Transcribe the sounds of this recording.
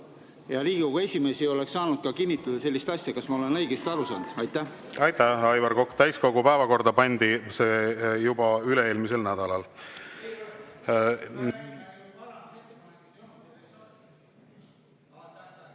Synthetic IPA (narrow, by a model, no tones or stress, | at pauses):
jɑliːɡkoɡue̞sʲime̞ːsio̞lekssːɑːnud̪̥̚kɑkinʲːit̪ːˑɑd̪̥ɑse̞lʲːist̪ɑsʲjɑkɑsmɑo̞le̞nɤ̞jɡest̪ɑɾusɑ̰ːnd̪u̥ɑjt̪ːˑæh | ɑjt̪æhɑjvɑɾko̞kːt̪æjsko̞ɡupæevɑko̞rd̪̥ɑpɑnʲd̪̥iseːjubɑyleeːlmise̞lnæd̪̥ɑlɑl